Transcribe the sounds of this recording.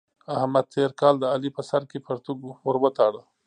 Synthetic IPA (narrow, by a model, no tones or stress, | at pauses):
ahmad̪̚t̪ʰeɾkɑld̪əɑlipəsaɾkepʰəɾt̪uɡoɾbət̪ɑɽə